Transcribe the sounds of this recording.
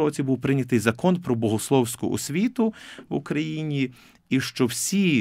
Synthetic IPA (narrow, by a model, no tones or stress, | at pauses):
ɔt͡sʲibuwpɾɪnʲɐt̪ɪjzɐkɔnpɾɔbɔɦʊslˠɔwsʲkʊ̰ʔɔ̰sʲʋʲit̪ʊwʊ̰kɾɐjinʲi | iʃt͡ʃɔwsʲi